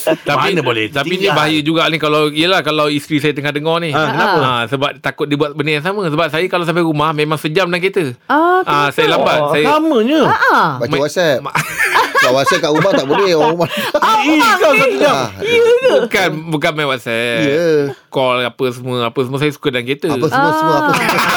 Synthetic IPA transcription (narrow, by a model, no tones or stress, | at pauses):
t̪ampinəbolɛt̪apinibaɦajəd͡ʒuɡaʔnikalawijəlahkalawist̪ɾisajət̪əŋahdəŋɔnikənapəasəbap̚t̪akʊt̪̚dibuat̪̚bənijaŋsamə̃səbap̚sajəkalawsampaɾumahmẽmaŋsəd͡ʒam̚daŋkit̪əaãsajəlambat̪sajəaməɲəbamawɔt̪̚sɛpakawatsɛp̚kaʔɾumaht̪aʔbənɛwaɾumaisasat̪uaiət̪bukanbukanmajwɔt̪̚sɛ | kɔlapəsəmuəapəsəmuəsajəsu̥kədanket̪əəsəuəsəmuəaə